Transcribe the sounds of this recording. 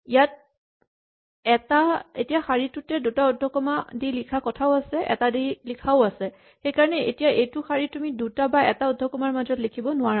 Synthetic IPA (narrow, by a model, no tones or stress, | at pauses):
ijat̚ | ɛtaetijaxaɹitʊtɛdutaɔdʱːɔkɔmadilikʰakɔtʰaʊasɛʔɛ̰tadilikʰaʊasɛ | xejkaɹɔnɛḛtijaʔejtʊxaɹitumidutabaɛtaɔdʱɔkɔmaɹmazɔtlikʰibɔnʊaɹa